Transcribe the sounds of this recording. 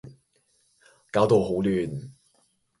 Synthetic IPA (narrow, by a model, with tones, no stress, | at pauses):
kaː˨˥wt̪o˨˧wɦo˨˥wlyː˨˩n